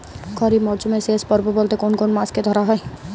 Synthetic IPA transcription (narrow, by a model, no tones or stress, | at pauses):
kʰɔɾimɔɾt͡ʃumẽseːspəɾbuboːlt̪ekoːnkoːnmaːsked̪ʱɔɾaɦɛe